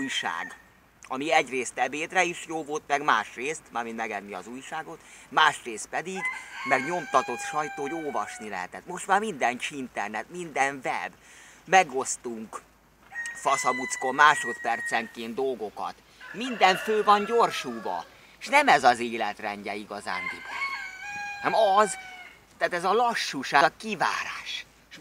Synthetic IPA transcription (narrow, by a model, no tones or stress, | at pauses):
ujʃa̰ːɡ | ɒmiɛɟreːst̪ɛbeːd̪rɛiʃjoːvo̞lt̪mɛɡmaːʃreːst̪maːminmɛɡɛnːiɒ̰zuːjʃaːɡo̞t̪maːʃreːst̪̚pɛd̪iɡmɛɡɲo̞mt̪ɒt̪o̞t̪ʃɒjt̪oːɟoːvɒʃnilɛ̰ɦɛ̰t̪ɛt̪mo̞ʃt̪maːrmind̪ɛnt͡ʃint̪ɛrnɛt̪mind̪ɛɱvɛ̰bmɛɡo̞st̪uŋk | fɒsɒbut̪skommaːʃo̞t̪pɛrt̪sɛŋkeːnd̪o̞lɡo̞kɒ̰t̪ | mind̪ɛɱføːvɒnɟo̞rʃuːbɒ̰ | ʃnɛmɛzɒzeːlɛt̪rɛɲɟɛiɡɒza̰ːnd̪ibo̰ | hɛmɒz | t̪aːt̪ɛzɒlɒʃːuʃaːkiva̰ːɾa̰ːʃ | ʃ